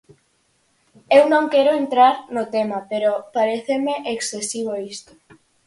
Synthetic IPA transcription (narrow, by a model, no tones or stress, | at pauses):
ewnõŋkeɾoent̪ɾaɾnot̪emapeɾopaɾeθemeʔeksθesiβ̞oist̪o̥